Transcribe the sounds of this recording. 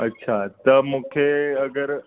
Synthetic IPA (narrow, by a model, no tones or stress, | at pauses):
ətːɕʰat̪əmukʰeəɡəɾ